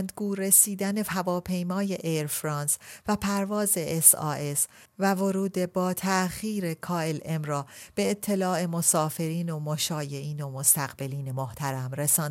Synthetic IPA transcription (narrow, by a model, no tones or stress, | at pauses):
nd̪ɡuːɾe̞siːd̪æne̞hævɒːpʰe̞jmɒːje̞ʔeɾfɾɒːnsvæpʰæɾvɒːze̞ʔesɒ̰ːes | vævo̞ɾuːd̪e̞bɒːt̪ʰæʔxiːɾe̞kʰɒːe̞lemrɒːb̥e̞ːt̪ʰːe̞lɒːe̞mosɒːfe̞ɾiːnomoʃɒːje̞ʔiːno̞most̪æɣbe̞liːne̞moht̪ʰæɾæmɾe̞sɒːn